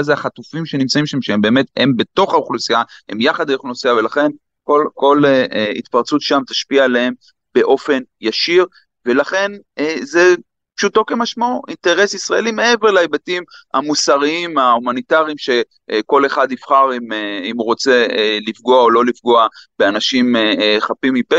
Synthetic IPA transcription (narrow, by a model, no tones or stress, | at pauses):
azeaχatufimʃe̞nimt͡saimʃamʃeembeːme̞thembe̞t̪o̞χauχlusijahḛmjaχad̪aoχlnosiave̞laχe̞n | kolko̞leḭt̪paʁt͡sut̪ʃamt̪ḁʃpialeem | be̞ʔo̞fe̞njaʃiʁ | ve̞laχe̞neze | pʃuto̞kemaʃmauʔinte̞ʁe̞sisʁaelimeeveʁleajbatima̰musaʁiimahumanitaʁiimʃe̞ | ko̞le̞χad̪nifχaʁimeimuʁo̞t͡se̞lifɡoaolo̞lifɡoab̥eanaʃimχapimipe